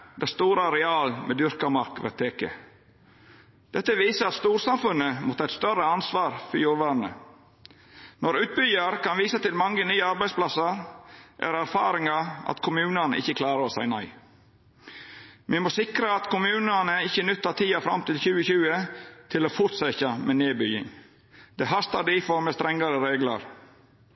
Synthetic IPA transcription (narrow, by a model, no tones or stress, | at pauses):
d̪æst̪uːɾəɾɛɑːlmʔḛd̪ʏɾkɑmɑɾkʋɛ̰t̪ʰːeːkə̰ | d̪̥ɛt̪ːəʋiːsəɑt̪st̪uːɾsɑmfʉnːəmɔt̪ːəɑæɪt̪st̪œɾəɑnsʋɑːɾfɔɾjuːɾʋæɾnə̰ | nɔɾʉːt̪̚bʏjɑɾkɑnʋiːsət̪ɪlmɑŋːənyːəɑɾbæɪspʰlɑsɑɾʔæ̰ɾæɾfɑ̰ːɾɪŋɑɑ̰t̪kʰʊmʉːnənə̰ɪ̰çːəkʰlɑːɾəɾɔsæɪnœʏ | mɪmoːsɪkɾəɑt̪kʰʊmʉːnənəɪçːənʏt̪ːɑt̪ʰiːɑfɾɑ̰mt̪ɪlçʉːəçʉːət̪ʰɪloːfʊt̪sɛçɑmʔɛneːbʏjɪ̰ŋ | d̪̥ɛɦɑst̪ɑɖ̪ɪfɔɾməst̪ɾɛŋːɑɾəɾeːɡlɑ̰ɾ